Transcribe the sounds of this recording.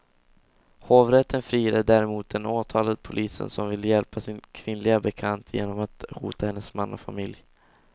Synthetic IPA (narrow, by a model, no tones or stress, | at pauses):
hoːvɾɛt̪ʰːənfɾiːɾad̪æːɾɛmuːt̪̚d̪ɛnoːt̪ʰɑːlad̪̚pʰʊlʔiːsə̰nsɔmvɪlːəjɛlpʰasɪnkʰvɪnlɪɡabɛkʰant̪ʰjḛːnɔmat̪hṵːt̪ahɛnːəsmanːɔ̰fa̰mɪlj